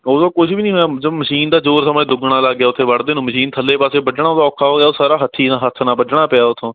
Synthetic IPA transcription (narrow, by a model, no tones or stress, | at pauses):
oːd̪õːkʊʃbiːnĩːɦjaːəəbməʃiːnd̪aːd͡ʒoːɾsəmẽːd̪ʊɡɽaːləːɡːjaːʊt̪ʰːeːʋəɽd̪eːnũːməʃiːnt̪ʰəlːeːpaːseːbəd͡ʒɳaːt̪ãːɔːkʰːaːɦoːɡejaːoːsaːɾaːɦət̪ʰːiːnaːɦət̪ʰːnaːbəd͡ʒɽaːpɪjaːʊt̪ʰːõː